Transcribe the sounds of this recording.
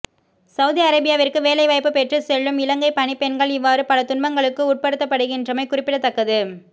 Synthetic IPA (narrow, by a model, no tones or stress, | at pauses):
sɐʊðiɐɾɐbɪjaːʋɪrkːɯʋeːlɐɪʋɐɪpːɯpɛʈrɯsɛɭːɯmɪlɐŋɡɐɪpɐnipɛnɡɐɭɪʋːaːɾɯpɐlɐt̪ʊnbɐŋɡɐɭɯkːɯuːʈ̚pɐɽɯt̪ːɐpːɐɽɯɣɪndrɯmɐɪkʊrɪpːɪɽɐt̪ːɐkːɐðɯ